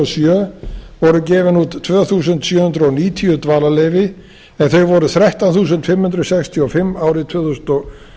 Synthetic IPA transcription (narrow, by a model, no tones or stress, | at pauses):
ɔsjœːvɔɾʏcɛːvɪnuːt̪ːʰvœːθuːs̬ʏnt̪sjœːhʏnd̪ɾɔniːt̪ʰiʏt̪vaːlalejvɪ | ɛnθœɥvɔɾʏθɾɛht̪anθuːs̬ʏnt̪fɪmhʏnd̪ɾʏsɛkst̪ʰiɔfɪmːaːwɾɪt̪ʰv̥œːθusnt̪ɔ